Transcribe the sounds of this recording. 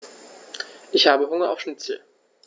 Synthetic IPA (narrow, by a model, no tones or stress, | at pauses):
ʔɪçhaːbəɦʊŋɐʔa̰ʊfʃnɪt͡səl